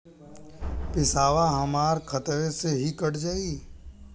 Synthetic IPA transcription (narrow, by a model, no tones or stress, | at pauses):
pɪsaːʋaɦəmaːɾkʰət̪ʋeseɦikəɽd͡ʒaːiː